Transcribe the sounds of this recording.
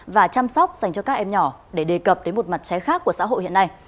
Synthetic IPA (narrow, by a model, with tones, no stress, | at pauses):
vaː˨˩t͡ɕaː˧msɔ˦˥wk͡p̚za˨˩jŋ̟t͡ɕɔ˧kaː˦˥k̚ʔɛ˧mɲɔ˧˩ɗe˧˩ɗe˨˩kə˨˩p̚ɗe˨˦mo˨˩t̚ma˨˩t̚t͡ɕɛ˨˦xaː˦˥kːu˧˩əsa̰ː˧˥ɦo̰˧˨hḭ˧˨əna˧j